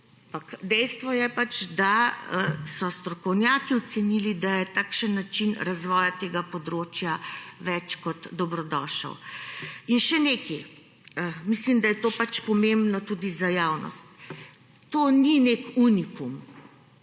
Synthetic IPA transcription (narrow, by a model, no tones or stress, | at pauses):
ampakd̪ɛjst̪ʋɔjɛpat͡ʃd̪aəsɔst̪ɾɔkɔwnjaːkiɔt̪sɛnilid̪ajɛt̪aːkʃənːat͡ʃinɾazʋɔːjat̪eːɡapɔd̪ɾoːt͡ʃjaʋɛt͡ʃkɔt̪d̪ɔbɾɔd̪ɔːʃə̰w | inʃɛneːkɛ | əmislimd̪ajɛt̪oːpat͡ʃpɔmembnɔt̪uːd̪izajaːwnɔ̰st̪ː | oːninekunikum